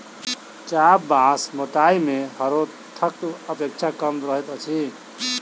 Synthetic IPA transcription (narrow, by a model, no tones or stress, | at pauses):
t͡ʃabbasmoʈaimehəɾo | t̪ʰək̚ʈəpek̚t͡ʃʰakəmɾəɦet̪ət͡ʃʰi